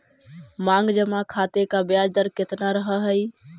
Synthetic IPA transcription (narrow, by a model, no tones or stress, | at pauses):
mãŋɡd͡ʒəmakʰat̪ekabjad͡ʒd̪əɾket̪naɾəɦəɦəj